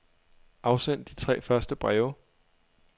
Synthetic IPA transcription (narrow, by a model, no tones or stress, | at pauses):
ʔɑ̈ʊsen̰d̥it͡sʰʁɛ̰ːfɶɐsd̥əb̥ʁɛːʊ